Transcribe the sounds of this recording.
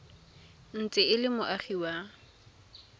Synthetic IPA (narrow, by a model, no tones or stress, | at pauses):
n̩t͡sʼɪɪlɪmʊʔaχiwa